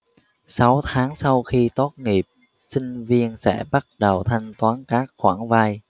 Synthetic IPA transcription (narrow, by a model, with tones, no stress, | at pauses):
sa˨˦wt̪ʰaː˨˦ŋsa˧wxi˧t̪o˦˥t̚ŋi˨˩p̚ | sï˧ŋ̟vi˧ənsɛ̰˧˥ɓa˦˥t̚ɗə˨˩wt̪ʰa˧jŋ̟t̪waː˨˦nkaː˦˥k̚xwaː˧˩ŋvaː˧j